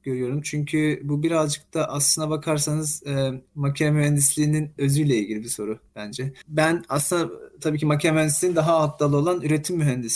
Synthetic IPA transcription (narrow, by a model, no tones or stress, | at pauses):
ɟ̥ø̞ɾyjo̞ɾumt͡ʃʰyɲcʰybubiɾazd͡ʒɯk̚t̪ʰaʔaslˠɯnd̪abakʰaɾsanɯz̥macʰaɾmyɦænd̪islʲiːninø̞zyjlʲɛilʲɟʲilʲibiso̞ɾub̥ænd͡ʒɛbænaslˠɯnd̪at̪ʰabiːcʰimacʰamyhænd̪isʲiind̪aɦaat̪ʰːalˠɯo̞lˠanyɾet̪ʰimːyɦænd̪is